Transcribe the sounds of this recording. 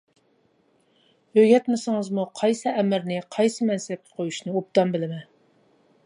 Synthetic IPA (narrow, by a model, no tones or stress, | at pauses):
øɡʲɛt̪mɪsɪŋɨzmuqʰɑjsɨɛmɪɾnɪqʰɑjsɨmɛnsɛp̚kʲʰɛ̥qʰojuʃnɨop̚t̪ɑmbɪlɪmɛ